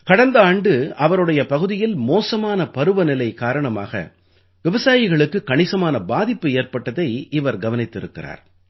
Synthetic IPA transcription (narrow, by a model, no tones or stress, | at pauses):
kɐɽɐnd̪ɐaːɳɖɯɐʋɐɾɯɽɐjɐpɐɣɯðɪjɪlmoːsɐmaːnɐpɐɾɯʋɐnɪlɐɪkaːɾɐɳɐma̰ːɣɐ̰ | ʋɪʋɐsaːjɪɣɐɭɯkːɯkːɐɳɪsɐmaːnɐbaːðɪpːɯeːrpɐʈːɐðɐɪɪʋɐɾɡɐʋɐnɪt̪ːɪɾɯkːɪ̰ra̰ːɾ